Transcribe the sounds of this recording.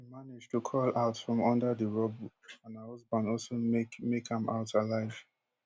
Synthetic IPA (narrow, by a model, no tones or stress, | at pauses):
himanɪd͡ʒtʰukʰɔlaʊtfɹɔ̃mɔ̃ndəðəɹɔb | ãnahɔzbãndɔlsomekãmʔa̰ʊtʰalaɪv̥